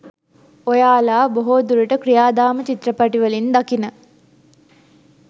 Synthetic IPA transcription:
ojaːlaːboɦoːd̪uɾəʈəkɾijaːd̪aːmət͡ʃit̪ɾəpaʈiʋəlind̪akinə

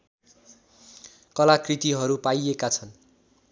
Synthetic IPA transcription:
kʌlakrit̪iɦʌɾupajekat͡sʰʌn

